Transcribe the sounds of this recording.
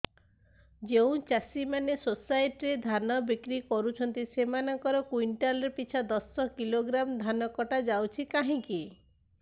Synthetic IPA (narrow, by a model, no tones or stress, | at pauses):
d͡ʒeũt͡ʃasimanesosajʈɾed̪ʱanɔbikɾikɔɾut͡ʃʰɔnt̪isemanɔŋkɔɾɔkwiɳʈalɾepit͡ʃʰad̪ɔsɔkiloɡɾamd̪ʱanɔkɔʈad͡ʒawt͡ʃʰikaɦĩŋki